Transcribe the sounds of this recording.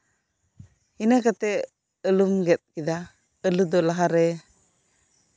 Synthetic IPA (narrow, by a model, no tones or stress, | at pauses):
inakat̪ɛ | əlumɡɛt̪̚kid̪a | əlud̪ɔlaɦaɾɛ